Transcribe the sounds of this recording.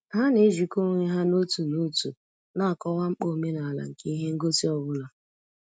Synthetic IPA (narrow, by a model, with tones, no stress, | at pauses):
ɦa˦ne˨˦ʒi˨ko˦ŋʷe˦ɦa˦no˦tu˨no˦tu˨ | na˦a˨kɔ˦wa˦ŋ͡m̩˦k͡po˦˨me˦na˨la̰˨ŋ̩˨ke˦i˦ɦe˦ŋ̩˦ɡo˦ti˦ɔ˦bʊ˦la˨